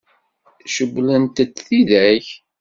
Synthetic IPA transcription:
ʃəɡlənt̪ət͡sθiðæç

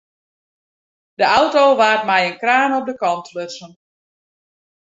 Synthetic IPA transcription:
dəʔawtoːʋaːtmɛjənkraːnɔp̚dəkɑntʰløtsən

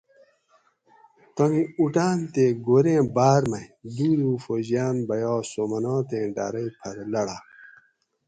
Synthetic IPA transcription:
t̪oŋiuʈaːnt̪eɡoɾẽːbaːɾmɐjd̪uːɾuːfoʑjaːnbɐjɑːsomɐnɑːt̪ẽːɖa̰ːɾɐjpʰɐɾlɐɽaː

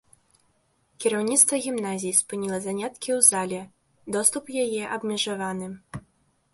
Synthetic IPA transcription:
kʲiɾawnʲit̪st̪vɐɣʲimnazʲijispɨnʲilˠɐzanʲat̪kʲiwzalʲɛ | d̪ɔst̪upjajɛʔɐbmʲɛʐavanɨ

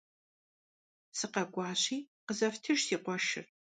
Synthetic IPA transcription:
sɨqɐɡʷɑːɕiːqəzɐftʰɨʒsiːqʷɔʃɪ̰r

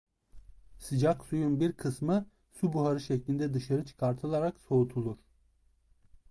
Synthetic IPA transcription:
sɯd͡ʒaksujunbiɾkʰɯsmɯ | subuɦaɾɯʃɛclʲind̪ɛd̪ɯʃaɾɯt͡ʃʰɯ̥kʰaɾt̪ʰɯlˠaɾakso̞ut̪ʰulˠuɾ̥

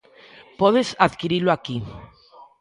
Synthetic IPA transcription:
pɔðesaðkiɾiloaki

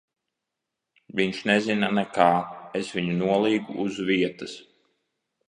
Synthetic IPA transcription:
viɲʃnɛzinanɛkaːesviɲunuɔlˠiːɡuʔːzviɛt̪ɐs

